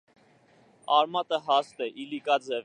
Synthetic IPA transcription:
ɑɾmɑt̪əɦɑst̪ɛʔilikɑd͡zɛv

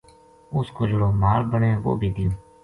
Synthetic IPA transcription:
ʊskoːd͡ʒʊɽoːmaːlbəɳẽːʋo̰ːbʱiːd̪ɪjõː

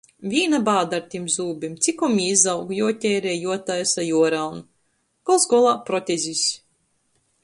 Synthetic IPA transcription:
vʲiːnabaːd̪aɾt̪ʲimzuːbʲimt̪sʲikɔmiːzawɡjuɔt̪ʲɛːɾɛːjuɔt̪ajasajuɔɾalˠn | kɔlˠsɡɔlˠaːpɾɔt̪ʲɛzʲisʲ

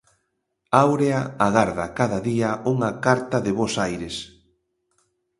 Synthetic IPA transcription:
awɾeaaɣaɾðakaðɐðiauŋɐkaɾt̪ɐðɪβosajɾes

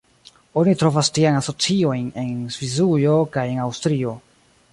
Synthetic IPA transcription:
o̞nitɾo̞vastiajnaso̞t͡sio̞jne̞nzvizujo̞kaje̞nawstɾio̞

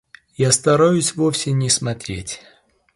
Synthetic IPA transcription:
jast̪ɐɾajʊsʲvofsʲɪnʲɪsmɐt̪ɾʲetʲ

